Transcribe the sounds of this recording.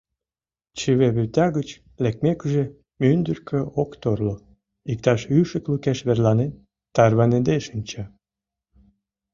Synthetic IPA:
t͡ɕəβeβyt̪ɑɣət͡ɕ | lek̚mekyʒe | mynd̪ərkʰøokt̪orlo | ik̚t̪ɑʃyʃə̆klukeʃβerlɑnen | t̪ːɑrβɑned̪eʃənʲt͡ɕɑ

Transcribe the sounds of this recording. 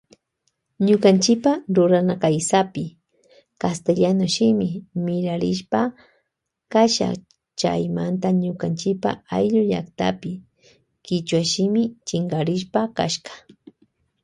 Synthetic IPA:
ɲʊkant͡ʃɪpaɾʊɾanakajsapɪ | kast̪eʎanʊʃɪmɪmɪɾaɾɪʃpa | kaʃa̰ | t͡ʃa̰jmant̪aɲʊkant͡ʃɪpa̰ajʎʊʎa̰kt̪a̰pɪ | kɪt͡ʃwaʃɪmɪt͡ʃɪŋɡaɾɪʃpaka̰ʃkḁ

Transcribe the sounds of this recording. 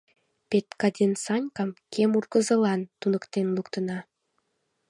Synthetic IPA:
pet̪kɑd̪ʲensɑnʲkɑmkʰemurkəzəlɑnt̪unəkt̪enlukt̪ənɑ

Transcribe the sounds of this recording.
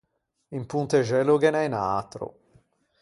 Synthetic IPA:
impunt̪eʒɛloɡenajnaːt̪ɾo̰

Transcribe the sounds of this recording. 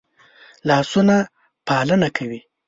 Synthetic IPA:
lɑsuna | pɑlənakʰawi

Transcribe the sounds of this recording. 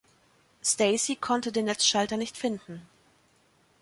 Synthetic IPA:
stɛɪsikʰɔntədeːnːɛt͡sʃaltɐnɪçtfɪndn̩

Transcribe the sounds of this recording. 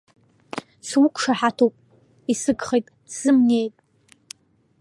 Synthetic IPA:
swukʷʰʼʂaħatʰopʼ | isɨɡχejtʼ | z̥ɨmne̞jtʼ

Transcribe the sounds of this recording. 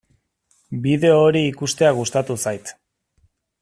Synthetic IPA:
biðe̞oːɾiːkust̪e̞aɣ̞ust̪at̪usajt̪

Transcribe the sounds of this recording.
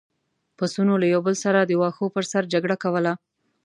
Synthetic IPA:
pasunolajawbəlsaɾad̪əwɑxopəɾsaɾd͡ʒaɡɽakawəla

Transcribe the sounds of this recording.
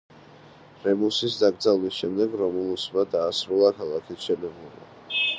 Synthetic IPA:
ɾɛmusisd̪aɡɾd̪zalˠlisʃɛmd̪ɛɡɾɔmulˠusmad̪aːsɾulˠakʰalˠakʰit̪ʰʃɛnɛblˠɔba̰

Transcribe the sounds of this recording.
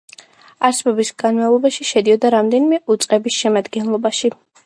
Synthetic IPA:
aɾsɛbɔbisɡanmavlˠɔbaʃiʃɛd̪iɔd̪aɾamd̪ɛnimɛʔut̪sʼqʼɛbisʃɛmad̪ɡɛnlˠɔbaʃi

